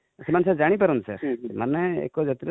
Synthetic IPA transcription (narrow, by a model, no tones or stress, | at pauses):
semansad͡ʒaɽ̃ipaɾunisaɾmanɛḛkɔd͡ʒɔt̪iɾ